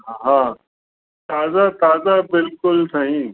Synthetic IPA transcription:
ɦãː | t̪aːzat̪aːzabɪlkʊlsɐɦĩ

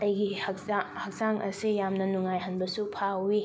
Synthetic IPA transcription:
ɐjɡihɐkahɐk̚zaŋʔɐsijamnɐnuŋajɦɐnbɐsupʰawi

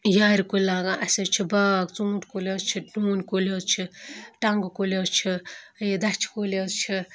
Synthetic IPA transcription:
jaːɾikulaːɡaʔɐsʲɐt͡ʃʰibaːkt͡sũːʈkolʲoːst͡ʃʰiɖuːnkoloːt͡ʃʰiʈɐŋɡkoloːt͡ʃʰiid̪ɐt͡ʃʰi̥koloːzt͡ʃʰi

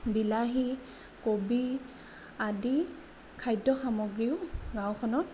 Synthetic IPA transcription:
bilaɦi | kobi | adi | kʰajdɔxamɔɡɹiʊɡãwkʰɔnɔt̚

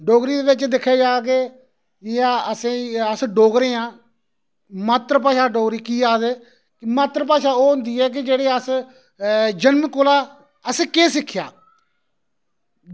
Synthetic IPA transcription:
ɖoːɡɾiːd̪eːʋɪt͡ʃd̪ɪkʰːeːd͡ʒaːɡeː | aəsẽːəsɖoːɡɾeːãː | maːt̪ɾəpaːʃaːɖoːɡɾiːkiːaːd̪eː | kmaːt̪ɾəp̬aːʃaːoːɦʊ̃nd̪iːɛːk̬ɪd͡ʒeːɽeːəs | d͡ʒənmkolaː | əsẽːkeːsɪkʰːja̰ː

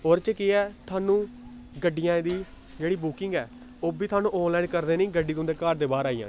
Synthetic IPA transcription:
oːɾt͡ʃəkɪɛːt̪ʰaːnũː | ɡəɖːijãːd̪iː | d͡ʒeːɽiːbuːkɪŋɡɛː | oːbiːt̪ʰwaːnũːʔɔːnlaːinkəɾd̪eːnĩːɡəɖiːt̪õnd̪eːkaːʈd̪eːbaːɾaːijã̰ː

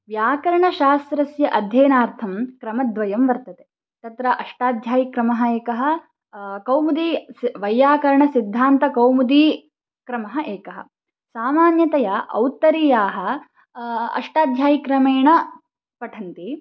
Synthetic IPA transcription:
ʋjaːkɐɾɐɳɐʃaːst̪ɾɐsjɐʔɐd̪ʱjeːnaːɾt̪ʰɐmkɾɐmɐd̪ʋɐjɐmʋɐɾt̪ɐt̪e | t̪ɐt̪ɾɐʔɐʂʈaːd̪ʱjaːjikɾɐmɐɦɐeːkɐɦɐ̆ | kɐwmud̪iʋɐjːaːkɐɾɐɳɐsid̪ʱːaːnt̪ɐkɐwmud̪i | kɾɐmɐɦɐʔeːkɐɦɐ̰ | saːmaːnjɐt̪ɐjɐʔɐ̰wt̪ɐɾijaːɦɐ̆ | ɐ̰ʂʈaːd̪ʱjaːjikɾɐmeːɳɐ | pɐʈʰɐnt̪i

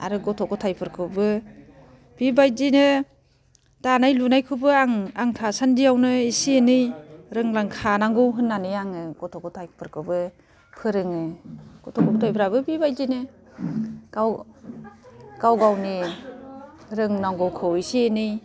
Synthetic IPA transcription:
a̰ɾɯɡɔtʰɔkʰɔtʰajpʰɯɾkʰɯbɯ | b̥ibajzinɯ | tanajlunajkʰɯbɯaŋaŋtʰasandijawnɯisienɯjɾɯŋlaŋkʰanaŋɡɯwɦɯnːanɯjaŋɯɡɔtʰɔkʰɔtʰajpʰɯɾkʰɯbɯ | pʰɯɾɯŋɯɡ̥ɔtʰɔkʰɔkʰɔtʰajpʰɯɾabɯbibajzinɯ | ɡaw | ɡ̥awɡawni | ɾɯŋnaŋɡɔwkʰɯwisienɯj

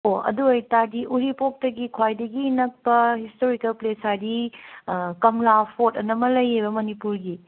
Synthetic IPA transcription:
oɐ̰duɐjtadiʔuɾipok̚tɐɡikʰwajdɐɡinɐk̚pɐhistoɾikɐlplesadi | kɐmlapʰotɐnɐmɐlɐjːebɐmɐnipuɾɡi

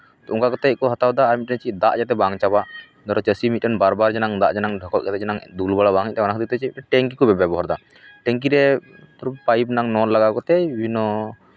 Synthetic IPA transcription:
t̪ɔuŋkakɔt̪ɛkɔɦat̪awd̪aːɾmit̪̚ɛnt͡ʃid̪aʔd͡ʒat̪̬ɛbaŋt͡ʃabaʔ | d̪ɔɾɔt͡ʃəsimit̪̚ʈɛnbaɾbaɾd͡ʒɛnaŋd̪aʔd͡ʒɛnaŋɖʱɔkɔt̪̚d͡ʒat̪ɛd͡ʒɛnaŋd̪ulbaɽabaŋic̚ˀt̪ɛmanakʰət̪ikt̪ɛt͡ʃiʈɛŋk̬ikɔbɛbɛbɔɦaɾd̪a | ʈɛŋk̬iɾɛ | t̪ɔɾpajbnaŋnɔnlaɡakɔt̪ɛbʱinɔ

